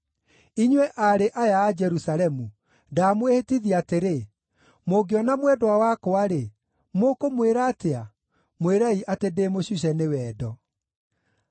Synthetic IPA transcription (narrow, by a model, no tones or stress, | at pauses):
iɲwɛʔaɾeʔajaːd͡ʒɛɾusalɛmu | damwehetiðiateɾe | moɡeɔnamwɛdwawakoaɾe | mokomweɾaːtea | mweɾaiʔatedeːmoɕuɕ̬ɛnewɛːdɔ